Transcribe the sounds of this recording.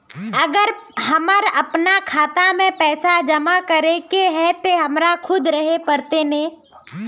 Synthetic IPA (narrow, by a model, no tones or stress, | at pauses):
əɡəɾɦɐməɾɐpnakʰaːt̪amẽpɛːsad͡ʒəmakəɾekeɦɛt̪oɦɐmɾakʰʊd̪ɾəɦepəɾt̪enẽː